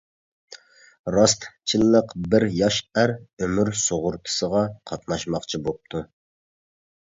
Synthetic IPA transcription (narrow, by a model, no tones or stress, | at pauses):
ɾɑst̪t͡ʃʰilːəqbɪɾjɑʃæɾømyɾsoʁʊɾt̪ʰɨ̥səʁɑqʰɑt̪nɑʃmɑqt͡ʃʰibop̚t̪ʰu